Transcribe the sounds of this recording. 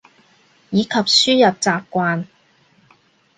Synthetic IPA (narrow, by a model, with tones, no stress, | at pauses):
jiː˨˧kʰɐ˨p̚syː˥jɐ˨p̚t͡saː˨p̚kʷaː˧n